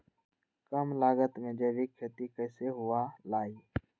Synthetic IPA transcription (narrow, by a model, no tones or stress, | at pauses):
kəmlaːɡət̪mẽːd͡ʒeːʋiːkʰːeːt̪iːkəːseːɦʊaːlaːiː